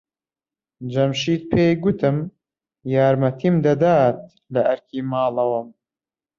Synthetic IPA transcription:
d͡ʒɐmʃiːt̪̚pʰeːjɡʊt̪ʰɨm | jaːɾmɐt̪ʰiːmd̪ɐd̪aːt̪̚ | lɐʔɐɾkʰiːmaːlɐwɐm

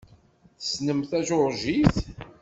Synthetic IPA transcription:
θə̥snəmθæʒʊɾˤʒiθ

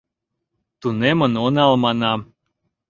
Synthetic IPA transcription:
t̪unemənonɑlˠmɑnɑ

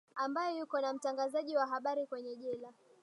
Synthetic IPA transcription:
ambajɔjukɔnam̩taŋɡazaʄiwaɦaɓaɾikwɛɲɛʄɛla

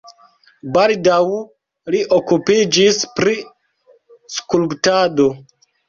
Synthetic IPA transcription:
baldaw | liʔokupid͡ʒispɾi | skulptado̞

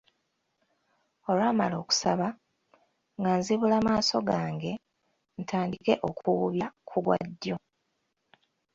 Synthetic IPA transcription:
o̞lwaːmalo̞ːku̥saβa | ŋɡanziβulaːmaːso̞ɡaːŋɡe̞ | n̩tʰaːndike̞ʔo̞kuβuβjakʰuɡwa̰dːjo̞

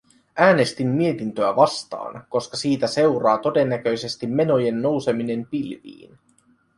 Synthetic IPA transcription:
ʔæːne̞st̪imːie̞t̪int̪øæʋɑst̪ɑ̰ːnko̞skɑsiːt̪æse̞wɾɑːt̪o̞de̞nːæk̟ø̞jse̞st̪imːe̞no̞je̞nːo̞wse̞mine̞mpilʋḭːn

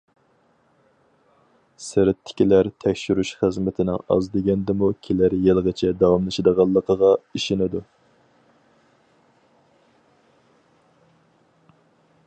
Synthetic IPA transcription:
sɪɾɪt̪ʰːɪ̥kʲilæɾt̪ʰɛkʲʃyɾyʃχəzmɪt̪ʰɪnɪ̰ŋɑ̰zd̪eɡʲɛnd̪ɪmukʲʰelæɾjelʁət͡ʃʰɛd̪ɑwɑmlˠɨʃid̪əʁɑlˠːəqʰəʁɑiʃenɪd̪u

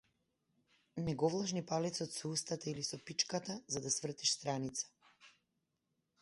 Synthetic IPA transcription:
nɛɡɔvlˠaʒnipalɛt̪sɔt̪sɔust̪at̪ailisɔpit͡ʃkat̪azad̪asvr̩t̪iʃst̪ɾanit̪sḁ

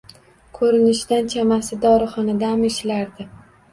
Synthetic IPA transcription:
kʰɵɾɪnɪʃd̪ant͡ʃʰamasɪd̪ɒɾɨχɒnad̪amɪʃlaɾd̪ɪ

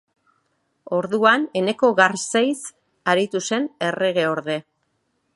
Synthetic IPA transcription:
o̞ɾðuane̞ne̞ko̞ɣaɾsejs | aɾit̪use̞ne̞re̞ɣe̞o̞ɾðe̞

